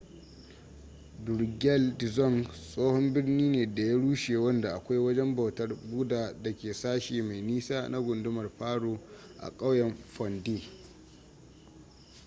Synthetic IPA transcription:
dʊ˨rɡʲɛ˦ldɪ˨zɔ˦˨nsʼoː˦hɔ˦mbɪ˦rniː˦neː˨da˨ja˦ɽuː˦ʃeː˨wɐ˦nda˨ʔa˨kʷa˦jwɐ˦d͡ʒɛ˦mba˨wtɐ˦rbu˦daː˨da˨kʲeː˨saː˦ʃiː˨ma˨jniː˦saː˦na˦ɡʷʊ˨ndʊ˦mɐ˨rɸaː˦ɽoː˦ʔa̰˨kʼa˦wjɛ˨ɱɸɔ˨ndiː˦

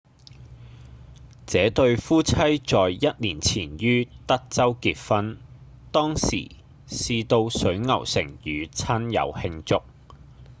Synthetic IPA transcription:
t͡sɛː˨˥t̪ɵ˧ɥfuː˥t͡sʰɐ˥jt͡sɔː˨jːɐ˥t̚niː˨˩nt͡sʰiː˨˩njyː˥t̪ɐ˥k̚t͡sɐ˥wkiː˧t̚fɐ˥n | t̪ɔː˥ŋsḭː˨˩ | siː˧t̪o˧wsɵ˨˥ɥŋɐ̰˨˩wsɪ̰˨˩ŋjyː˨˧t͡sʰɐ˥njɐ̰˨˧whɪ˧ŋt͡sʊ˥k̚

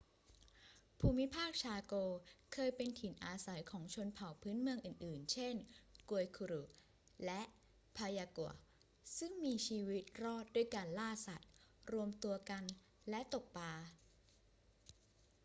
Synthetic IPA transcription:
pʰuː˧mi˦˥pʰaː˥˩k̚t͡ɕʰaː˧koː˧kʰɤː˧jpe˧nt̪ʰi˩˦nʔaː˧sa˩˦jkʰɔː˩˦ŋt͡ɕʰu˧ənpʰa˨˩˦wpʰɯː˦˥nmɯ˧əŋʔɯː˨˩nʔɯː˨˩nt͡ɕʰe˥˩nku˧əjkʰu˧ɾu˨˩ | lɛ˦˥ʔ | pʰaː˧jaː˧ku˨˩ə | sɯ˥˩ŋmiː˧t͡ɕʰiː˧wi˦˥t̪̚ɾɔː˥˩t̪̚du˥˩əjka˧nlaː˥˩sa˨˩t̪̚ɾu˧əmt̪u˧ɐka˧n | lɛ˦˥t̪o˨˩k̚paː˧

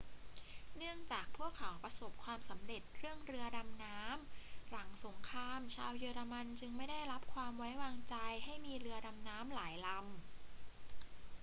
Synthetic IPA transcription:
nɯ˥˩əŋt͡ɕaː˨˩k̚pʰu˥˩əkʰa˩˦wpɾa˧so˨˩p̚kʰwaː˧msa˩˦mɾe˨˩t̪̚ɾɯ˥˩əŋɾɯ˧ɐda˧mnaː˦˥mɾa˩˦ŋso˩˦ŋkʰɾaː˧mt͡ɕʰaː˧wjɤː˧ɾa˧ma˧nt͡ɕɯ˧ŋma˥˩jda˥˩jɾa˦˥p̚kʰwaː˧mwa˦˥jwaː˧ŋt͡ɕa˧jɦa˥˩jmiː˧ɾɯ˧ɐda˧mnaː˦˥mlaː˩˦jla˧m

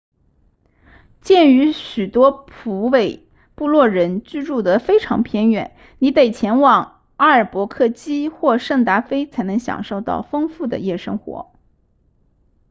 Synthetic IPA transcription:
t͡ɕjɛ˥˩ny˧˥ɕy˨˩t̪wɔ˥pʰu˧˥we˨˩ɪ | pu˥˧lwɔ˥˩ɻə˧˥nt͡ɕy˥˧ɻu˥˩d̪ə˩fe˥ɪʈ͡ʂʰɑ̰˧˥ŋpʰjɛ˧˥nɥɛ̰˨˩˦n | ni˨˧˥pe˥˨˩ɪt͡ɕʰjɛ˧˥nwɑ˨˩ŋ | a˥ə˞˨˩pwɔ˧˥kʰɤ˥˩t͡ɕi˥xwɔ˥˧ʂɤ˥˩ŋt̪a˧˥fe˥ɪt͡sʰa˧˥ɪnɤ˧˥ŋɕjɑ̰˨˩ŋʂo˥˧ʊt̪ɑ̰˥˩ʊfɤ˥ŋfu˥˩d̪ə̰˩jɛ˥˩ʂɤ˥ŋxwɔ̰˧˥

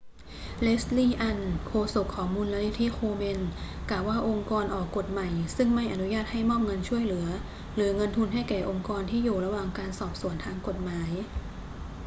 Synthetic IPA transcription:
le˦˥sliː˥˩ʔa˧nkʰoː˧so˨˩kʰːɔː˩˦ŋmu˧nla˧ni˦˥t̪ʰi˦˥xʰoː˧me˧n | klaː˨˩waː˥˩ʔo˧ŋkɔː˧nʔɔː˨˩kːo˨˩t̪̚ma˨˩jsɯ˥˩ŋma˥˩jʔa˨˩nu˦˥jaː˥˩t̪̚ha˥˩jmɔː˥˩p̚ŋɤ˧nt͡ɕʰu˥˩əjlɯ˩˦ɐ | lɯ˩˦ɐŋɤ˧nt̪ʰu˧nɦa˥˩jkɛː˨˩ʔo˧ŋkɔː˧nt̪ʰiː˥˩juː˨˩ɾa˧waː˨˩ŋkaː˧nsɔː˨˩p̚su˨˩˦nt̪ʰaː˧ŋko˨˩t̪̚maː˩˦j

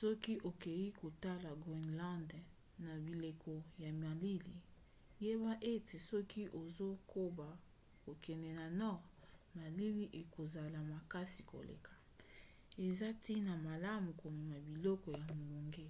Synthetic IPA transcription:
sɔ˦ki˦ʔo˨ke˨ji˦ko˨ta˦la˨ɡi˨nlã˦nd | na˨bi˨le˨kʰɔ˨ja˨ma˨li˦li˨ | je˦ba˦ʔe˦te˨sɔ˦ki˦ʔo˨zo˦ko˦ba˨ | ko˨kɛ˨nɛ˨na˨nɔ˦ʁma˨li˦li˦ʔe˨ko˨za˨la˨ma˨ka˦si̥˨ko̰˨lḛ˨kʰḁ˨ | e˨za˦ti˦na˨ma˨la˦mu˨ko˨me˨ma˨bi˨lɔ˦kɔ˨ja˨mo˨bo˨ŋɡe˦

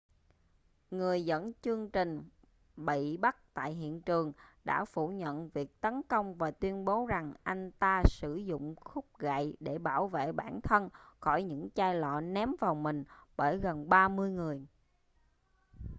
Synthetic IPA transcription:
ŋɨ˨˩əjzə̰˧˥nt͡ɕɨ˧əŋt͡ɕï˨˩ŋ̟ | ɓḭ˧˨ɓa˦˥k̚t̪a̰ː˧˨jɦḭ˧˨ənt͡ɕɨ˨˩əŋɗa̰ː˧˥fu˧˩ɲə̰˧˨nvi˨˩ək̚t̪ə˨˦nkə˧wŋ͡mvaː˨˩t̪wi˧ənɓo˨˦za˨˩ŋʔa˧jŋ̟t̪aː˧sɨ˧˩zʊ̰˧˨ŋ͡mxʊ˦˥k͡p̚ɣa̰˧˨jɗe˧˩ɓaː˧˩wvḛ˧˨ɓaː˧˩nt̪ʰə˧nxɔ˧˩jɲɨ̰˧˥ŋt͡ɕaː˧jlɔ̰˧˨nɛ˨˦mvaː˨˩wmï˨˩ŋ̟ɓəː˧˩jɣə˨˩nɓaː˧mɨ˧əjŋɨ˨˩əj

